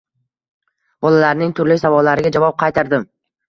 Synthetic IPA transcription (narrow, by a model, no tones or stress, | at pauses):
b̥ɒlalaɾnɪŋt̪ʰʊɾlɪsavɒlːaɾɪɡad͡ʒavɒp̚qʰɑjt̪ʰaɾd̪ɪm